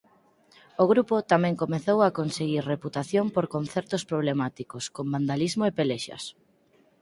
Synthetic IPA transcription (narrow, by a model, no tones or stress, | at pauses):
oɣɾupot̪amɛ̃ŋkomeθowakonseɣ̞iɾreput̪aθjompoɾkonθɛɾt̪ospɾoβlemat̪ikoskomband̪alizmoepeleʃɐ̰s